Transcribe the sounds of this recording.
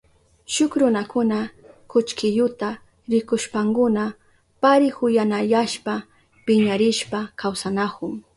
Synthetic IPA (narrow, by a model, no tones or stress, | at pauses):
ʃʊkɾʊnakʊna | kʊt͡ʃkɪʎʊt̪a | ɾɪkʊʃpaŋkʊna | paɾɪhʊjanajaʃpa | pɪɲaɾɪʃpakʰawsanakʊŋ